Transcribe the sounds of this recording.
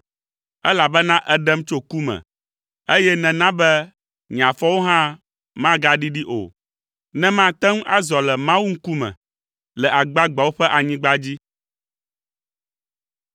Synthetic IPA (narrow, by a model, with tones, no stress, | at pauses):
ɛ˦la˨bɛ˦nã˦ʔɛ˦ɖɛ˦mt͡ʃo˦ku˦mɛ̰̃˨ | e˦jɛ˦nɛ̃˨nã˦bɛ˦ | ɲ˨ã˨fɔ˦wo˦ɦã˦ | mã˦ɡa˦ɖi˦ɖi˦ʔo̰˨ | nɛ̃˦mã˦t̪ɛ˦ŋ˦ʔa˦zɔ˨lɛ˨mã˦wu˦ŋ̩˦ku˦mɛ̰̃˨ | lɛ˨ʔa˨ɡ͡ba˦ɡ͡ba˨wo˦ɸɛ˦ʔa˨ɲĩ˦ɡ͡ba˦d͡ʑi˦